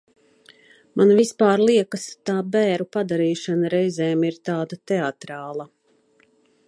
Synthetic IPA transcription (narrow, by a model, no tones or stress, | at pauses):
manvispaːɾlˠiɛkəst̪aːbɛːɾupad̪aɾiːʃanaɾɛjzɛːmiɾt̪aːd̪at̪ɛat̪ɾaːlˠɐ